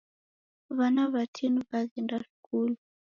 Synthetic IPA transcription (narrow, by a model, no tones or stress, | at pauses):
βanaβatʰinuβaɣɛndaʃu̥kulu